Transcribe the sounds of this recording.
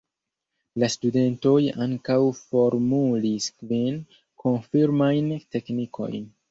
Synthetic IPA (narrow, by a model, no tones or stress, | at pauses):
lastude̞nto̞jaŋkawfo̞ɾmuliskvin | kʰo̞nfiɾmajnte̞kniko̞̰jn